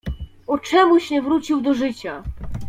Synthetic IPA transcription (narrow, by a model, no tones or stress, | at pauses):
ɔt͡ʂɛmuɕɲɛvɾut͡ɕiwd̪ɔʐɘt͡ɕa